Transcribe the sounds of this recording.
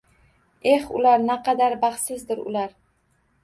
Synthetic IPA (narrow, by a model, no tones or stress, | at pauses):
e̞hʊ̰laɾnaqʰɑd̪aɾbɑχsɪzd̪ɪɾʊ̰laɾ